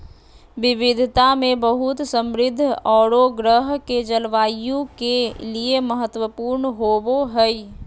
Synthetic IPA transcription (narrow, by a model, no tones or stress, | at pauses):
ʋɪʋɪd̪ʱt̪amẽbəɦʊt̪sə̃mɾɪd̪ʱːɔːɽoɡɾəɦked͡ʒəlʋaːjõkelieməɦət̪wəpuːɾnɦoboɦɛi